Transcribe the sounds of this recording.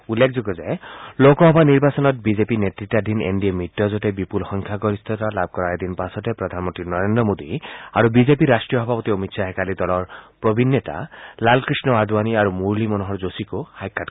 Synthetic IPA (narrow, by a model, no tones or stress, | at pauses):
ulːekʰzoɡɔzaelokɔɦɔbʱaniɹbasɔnɔt̚bizepinet̪ɾitːad̪ʱinḛnɖiemitːɔzɔtebipulxɔŋkʰjaɡɔɾist̪ʰɔt̪alab̚ʱkɔɾaed̪inpasɔtepɾɔd̪ʱanmɔnt̪ɾinɔɾend̪ɾɔmod̪iaɾubizepiɾasʈɹijɔɦɔbʱapɔt̪iomitsʰaɦekalid̪ɔlɔɹpɹɔbʱinjɔt̪a̰lalkɹisnɔad̪ʱuwaniaɾumuɹlimɔnɔɦɔɹzosikohajkʰːat